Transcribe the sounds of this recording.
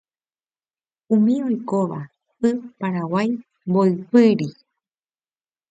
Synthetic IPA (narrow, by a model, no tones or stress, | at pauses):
ũmĩo̞jkoʋa | ɨpaɾawaj | mboɨpɨɾi